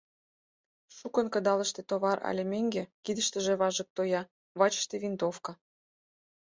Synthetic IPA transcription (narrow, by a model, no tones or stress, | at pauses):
ʃukə̆nkɤ̆d̪ɑlə̆ʃt̪et̪oβɑɾɑ̰lʲemeŋɡekid̪ə̆ʃt̪ə̆ʒĕβɑʒə̆k̚t̪ojɑ | βɑt͡ɕə̥ʃt̪eβint̪ofkɑ